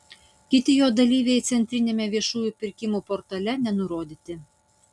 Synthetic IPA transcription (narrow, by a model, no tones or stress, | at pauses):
kʲit̪ʲɪjod̪ɐlʲiʋʲejt͡s̪ʲɛnʲt̪ʲɾʲinʲemʲɛʋʲiɛʃujupʲɪrʲkʲimuport̪ɑlʲænʲɛnuɾod̪ʲit̪ʲɘ